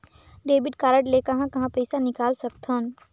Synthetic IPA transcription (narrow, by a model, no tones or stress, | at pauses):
ɖeːbɪɖkaːɾəʈlekɐɦãkɐɦãpɐɪsanɪkaːlsɐk̚t̪ʰɦən